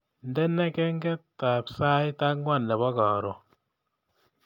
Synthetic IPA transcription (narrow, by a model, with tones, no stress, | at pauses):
ndɛ˦nɛ˦kɛ˦ŋɡɛ˦tta˨psa˦jta˦kŋwa˦˨nlɛ˨βɔ˦ka˨ɾɔ˨